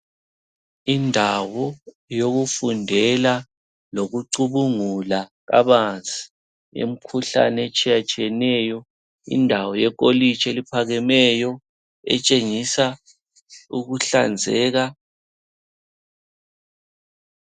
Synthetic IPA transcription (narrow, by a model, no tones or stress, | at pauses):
indʱawɔ | joɣufundʱɛla | loɣuǀuβuŋulaɣa̰βand͡zʱʼi̥ | ḛm̩kʰuɬa̰net͡ʃʼijat͡ʃʼiɛnɛjɔ | ḭndʱawɔjɛk̬ʼolit͡ʃʰʼelipʰaɣɛmɛjɔ | ɛ̰t͡ʃʼeŋisa | uɣuɬand͡zʱɛːɣa